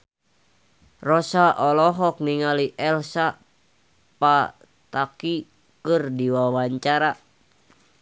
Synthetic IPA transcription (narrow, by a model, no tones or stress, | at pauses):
rɔsaʔɔlɔɦɔk̚niŋaliʔɛlsa | pa | t̪aki | kɨrdiwawaɲt͡ʃaɾa